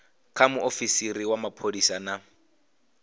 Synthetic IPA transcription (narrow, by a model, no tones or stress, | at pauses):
kʰamʊʔofisiriwamapʰodisana